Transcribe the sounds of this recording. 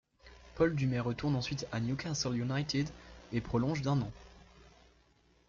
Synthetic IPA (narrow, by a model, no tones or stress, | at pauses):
pɔld̪ymɛʁət̪uʁnɑ̃sɥit̪anjukʲasɛljunajt̪ɪd̪epχɔlɔ̃ʒd̪ɛ̃nɑ̃